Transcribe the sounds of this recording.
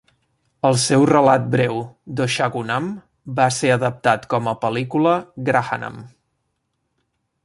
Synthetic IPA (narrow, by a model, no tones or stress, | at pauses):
əlˠsɛwrəlat̪̚bɾɛwd̪oʃaɣunam | baseəðəp̚t̪at̪kɔməpəlikuləɡɾaxa̰na̰m